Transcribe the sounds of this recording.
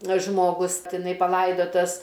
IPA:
ʒmoːˈɡʊs tʲɪˈnɐɪ pɐˈlˠɐɪdoːtɐs

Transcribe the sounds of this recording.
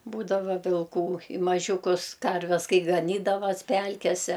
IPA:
ˈbuːdɐʋɐ ʋʲɪlˠˈkuː ɪ mɐˈʒʲuːkʊs ˈkɐrʲʋʲɛs ˈkɐɪ ɡɐˈnʲiːdɐʋɐs ˈpʲælʲkʲɛsʲɛ

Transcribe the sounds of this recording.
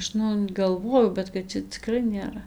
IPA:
ˈɐʃ nʊ ɡɐlˠˈʋoːjɛʊ bʲɛt kɐt ˈt͡ʃʲɛ t͡sʲɪˈkrɐɪ nʲeːˈrɐ

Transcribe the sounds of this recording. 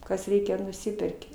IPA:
kɐs ˈrʲɛɪkʲɛ nʊˈsʲɪpʲɛrʲkʲɪ

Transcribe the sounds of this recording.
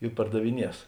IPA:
ɪ pɐrdɐʋʲɪˈnʲiɛs

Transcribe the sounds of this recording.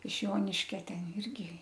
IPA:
ɪʃ ˈjoːnʲɪʃʲkʲɛ ˈtʲɛn ˈɪrʲɡʲɪ

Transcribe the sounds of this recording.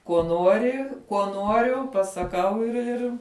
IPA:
kuɔ ˈnuɔrʲɪ kuɔ ˈnuɔrʲʊ pɐsɐˈkɐʊ ɪr ˈɪr

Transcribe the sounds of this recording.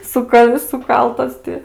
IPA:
ˈsʊkɐ sʊˈkɐlˠtɐs tʲɪ

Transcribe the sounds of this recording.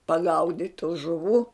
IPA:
pɐˈɡɐʊdʲɪtʲ tuː ʒʊˈʋuː

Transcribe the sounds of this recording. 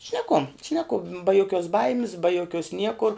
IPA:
ʃʲnʲɛˈkʊ ʃʲnʲɛˈkʊ bɐ joːˈkʲuɔs ˈbɐɪmʲɪs bɐ joːˈkʲuɔs ˈnʲiɛkʊr

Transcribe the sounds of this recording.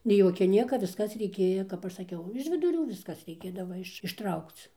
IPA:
nʲɛɪ ˈjoːkʲɛ ˈnʲiɛkɐ ʋʲɪsˈkɐs rʲɛɪˈkʲeːjɛ kɐp ˈɐʃ sɐˈkʲɛʊ ɪʃ ʋʲɪdʊˈrʲuː ˈʋʲɪskɐs rʲɛɪˈkʲeːdɐʋɐ ɪʃ ɪʃˈtrɐʊkt͡s

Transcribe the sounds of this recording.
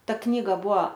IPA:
ˈtɐ ˈknʲiːɡɐ ˈbuɔ

